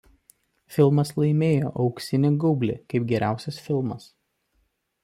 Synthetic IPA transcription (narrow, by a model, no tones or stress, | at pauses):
fʲɪlˠmɐslˠɐɪmʲeːjo̰ːʔɒʊksʲɪnʲɪɡʊbʲlʲɪ̰kɐɪpɡʲɛɾʲʔæˑʊsʲɛsfʲɪlˠmɐs